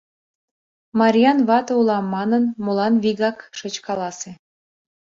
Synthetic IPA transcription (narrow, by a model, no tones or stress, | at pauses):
mɑɾʲijɑnβɑt̪ɤulɑmːɑnənmolɑnβiɣɑkʃɤt͡ɕkɑlɑse